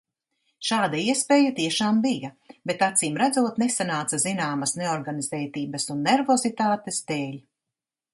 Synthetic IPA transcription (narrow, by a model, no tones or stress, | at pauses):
ʃaːd̪aiɛspeːjat̪iɛʃaːmbijɐ | bet̪at̪siːmɾad̪zuɔt̪nesanaːt̪sɐzinaːmɐsneɔɾɡanizɛːt̪iːbɐsunːeɾvɔzit̪aːt̪est̪eːʎ